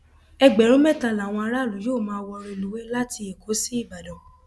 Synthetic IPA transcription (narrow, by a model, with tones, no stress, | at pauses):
ɛ˧ɡ͡bɛ˨ɾũ˨˦mɛ˦˨ta˨la˨w̃ɔ̃˧a˧ɾa˦˨lu˨˦joː˦˨mãː˧wɔ˧ɾõ˧˨lu˨˦wɛ˦la˦ti˧e˨ko˨˦si˦i˦˨ba˨dɔ̃˨